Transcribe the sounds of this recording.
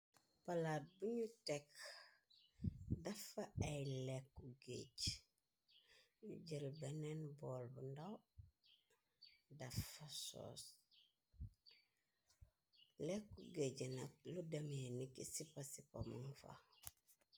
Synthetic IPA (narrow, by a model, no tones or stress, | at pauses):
palaːt̚buɲutek | dɐfaajlekːuɡḛɟ | ɟəlbenenboːlbundaw | dafːaso̰ːs | lekːuɡeɟinat̚ludamenikisipasiko̰munfa̰